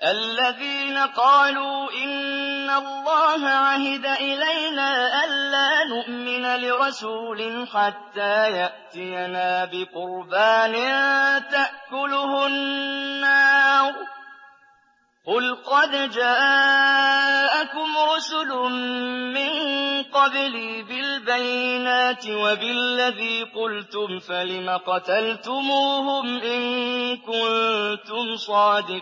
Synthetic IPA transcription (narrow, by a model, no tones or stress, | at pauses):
ʔalːaðiːnaqɑːluːʔɪnːalˤːɑːɦaʕaɦɪd̪aʔɪlajnaːʔalːaːnʊʔmɪnalɪɾˤɑsuːlɪħat̪ːaːjaʔt̪ɪjanaːbɪqʊɾbaːnɪt̪aʔkʊlʊhʊnːaː | qʊlqɑd̪d͡ʒaː | ʔakʊmɾʊsʊlʊː | ɪnqɑbliːbɪlbajːɪnaːt̪ɪwabɪlːaðiːqʊlt̪ʊmfalɪmaqɑt̪alt̪ʊmuːhʊmʔɪnkʊnnt̪ʊmsˤɑːd̪ɪqː